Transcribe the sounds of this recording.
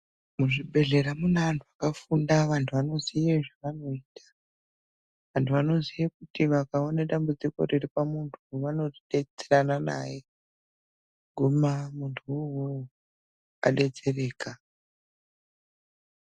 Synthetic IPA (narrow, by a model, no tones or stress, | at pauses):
muʐiɓʱe̞ɮe̞ɾamunaʋantʰuakafundaʋantʰuʋano̞zijeʐaʋano̞iːtʰḁ | ʋantʰuʋano̞zijekutiʋakao̞neɗambud͡ziko̞̰riripamuntʰuʋano̞tiɗe̞t͡seranana̰ːje | ɡʱumamuntʰuuɦu | a̰ɗe̞t͡se̞re̞ːka